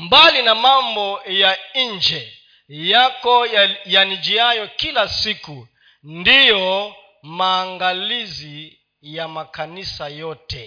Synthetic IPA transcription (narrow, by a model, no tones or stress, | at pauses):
mbalinamambɔjaind͡ʒɛ | jakɔjanid͡ʒiajɔkilasiku | ndijɔ | maːŋɡalizi | jamakanisajɔtɛ